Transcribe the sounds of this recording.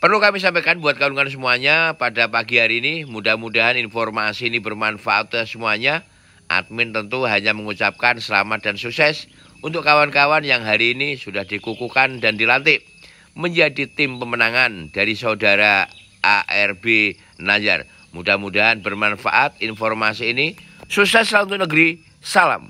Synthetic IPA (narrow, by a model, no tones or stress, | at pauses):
pərlukamis̬ampakanbuat̪̚kauluŋans̬əmuaɲapadapaɡiɦaɾiːnimudahmudaɦaninfɔrmasiːnibərmanfaʔat̪səmuaɲa | ʔa̰t̪̚mɪnt̪ənt̪uɦaɲaməŋut͡ʃap̚kansəla̰mat̪̚dansuksɛs | unt̪ʊkːawankawanjaŋɦaɾiːnisudahdikukukandandilant̪ɪʔ | məɲd͡ʒadit̪ɪmpəmənaŋand̥aɾisaudaɾa | ʔaʔɛrbe | nad͡ʒa̰r | mudahmudaɦanbərmanfa̰ʔat̪infɔrmasiːnisuksɛslaunt̪ʊnəɡəɾi | sala̰m